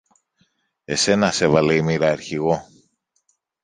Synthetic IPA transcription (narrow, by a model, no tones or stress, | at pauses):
e̞se̞nɐse̞vɐleimiɾɐːɾçiɣo̞